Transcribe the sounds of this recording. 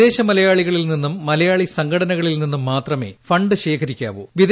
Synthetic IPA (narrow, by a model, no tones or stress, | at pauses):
e̞ːɕɐmɐlɐjaːɭiɣɐɭilninːumːɐlɐjaːɭisɐŋɡʰɐɽɐnɐɣɐɭilninːumːaːt̪rɐme̞̰ːfɐɳɖɨɕe̞ːkʰɐɾikʲːa̰ːʋṵʋid̪